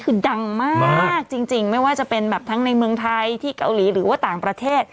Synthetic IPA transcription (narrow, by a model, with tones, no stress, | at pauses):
kʰɯː˧da˧ŋmaː˥˩k̚t͡ɕi˧ŋt͡ɕi˧ŋma˥˩jwaː˥˩t͡ɕa˨˩pe˧nbɛː˨˩p̚t̪ʰa˦˥ŋna˧jmɯ˧əŋt̪ʰa˧jt̪ʰiː˥˩ka̰˧wliː˩˦ɾɯː˩˦waː˥˩t̪aː˨˩ŋpɾa˧t̪ʰeː˥˩t̪̚